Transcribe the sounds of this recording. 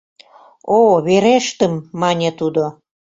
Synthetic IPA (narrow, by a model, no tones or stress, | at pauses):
oβeɾeʃt̪ə̆mːɑnʲet̪ud̪o